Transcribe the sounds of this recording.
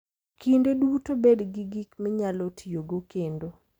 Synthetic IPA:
kʰindedutobedɡiɡikmɪɲalɔtʰijoɡokendo

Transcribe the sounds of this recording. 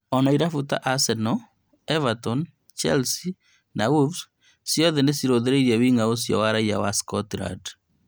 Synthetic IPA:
ɔnaiɾafuta̰ʔasɛnɔ | ɛvatɔn | t͡ʃɛlsi | nauvs | sjɔðɛnesiɾoðeɾeiɾɛwiŋaos̬jɔ̰waɾaija̰waskɔtɾa̰d

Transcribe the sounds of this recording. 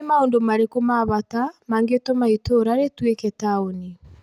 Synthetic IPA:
maondomaɾekomaβatamaːŋɡetomaitoɾaɾetweketaoni

